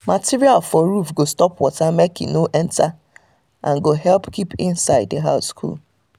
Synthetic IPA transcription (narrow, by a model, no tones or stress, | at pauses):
matiɹialfɔɾufɡostɔpwɔtamekɪ̰̃noʔɛ̃nta | ʔã̰nɡoɦɛlpkʰipɪ̰̃nsaɪd̚dəɦaʊskʰṵl